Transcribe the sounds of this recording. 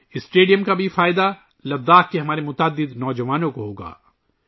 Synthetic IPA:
ɪsʈeːɖijəmkabʱifaːɪd̪a | lɐd̪ːaːkkeɦɐmaːɾemʊt̪aːd̪ːɪd̪nɔːd͡ʒɐʋaːnõkoɦoːɡa̰ː

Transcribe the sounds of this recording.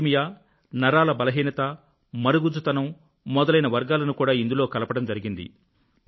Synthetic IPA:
mijaː | nɐɾaːlɐbɐlɐɦiːnɐt̪ɐ | mɐɾuɡud͡ʒut̪ɐnɐmː | ɔd̪ɐlɐjnɐʋɐɾɡaːlɐnukuːɽaːind̪ulo̞ːkɐlɐpɐɽɐmd͡ʒɐɾiɡind̪ḭ

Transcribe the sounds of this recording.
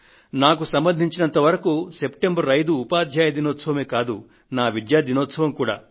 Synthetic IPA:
naːk̬usɐmbɐnd̪ʱiɲt͡ʃinɐnt̪ɐʋɐɾɐkuse̞pʈembɐɾːɐjd̪uːpaːd̪ʱjaːjɐd̪inɔːt̪sɐʋɐme̞ːkaːd̪u | naːʋid̪jaːd̪inɔːt̪sɐʋɐmkuːɽa̰ː

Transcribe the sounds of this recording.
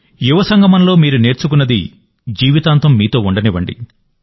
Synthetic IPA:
juʋɐsɐŋɡʱɐmɐnlo̞ːmiːɾune̞ːɾt͡ʃuk̬unːɐd̪ḭ | d͡ʒiːʋit̪aːnt̪ɐmːiːt̪o̞ːuɳɖɐniʋɐɳɖḭ

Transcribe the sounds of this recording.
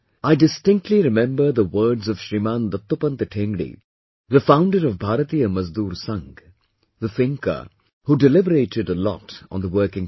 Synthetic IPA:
aɪdɪstɪ̃ŋk̚tʰliɾɪmɛ̃mbə˞ðəwɜːdzʌv̥ʃɾimãːnd̪ɐt̪ːopə̃nt̪əʈʰẽːŋɡɽḭ | ðəfãʊ̃nɖəɾɔvbʱaːɾət̪ijəmʌzd̪uːɾsʌ̃ŋɡ | ðəfɪ̃ŋkə̰˞ | huɖɪlɪbəɾeɪɾɪɾəlɔ̰tnðəwɜːkɪ̃ŋ

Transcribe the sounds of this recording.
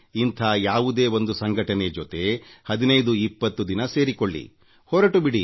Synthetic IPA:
int̪ʰaːjaːʋud̪e̞ːo̞nd̪usɐŋɡʱɐʈɐne̞d͡ʒot̪e̞hɐd̪inɐjd̪uipːɐt̪ːud̪inɐse̞ːɾikoɭːḭ | hɔːɾɐʈubiɽi

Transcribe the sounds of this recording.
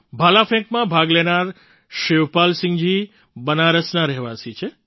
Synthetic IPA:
bʱalafʰɛ̃ŋkmãbʱaɡlenaɾ | ʃeʋpalsɪŋd͡ʒi | bənaɾəsnaɾɛɦʋasit͡ʃʰe

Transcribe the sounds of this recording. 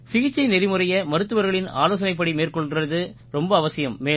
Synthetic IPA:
sɪɣɪt͡ʃːɐɪnɛɾɪmɯrɐjɐmɐɾɯt̪ːɯʋɐɾɣɐɭɪna̰ːloːs̬ɐnɐɪp̬ːɐɽimeːrkɔɭrɐðɯ | ɾɔmbɐːʋɐsɪjɐmːeː

